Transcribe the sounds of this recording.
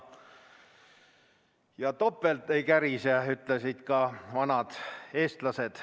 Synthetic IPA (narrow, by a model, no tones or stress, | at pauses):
jɑt̪o̞pːˑelt̪ˑːejkæɾiseyt̪ˑlesid̪̥kɑvɑnɑd̪̥e̞ːst̪lɑse̞d̪̥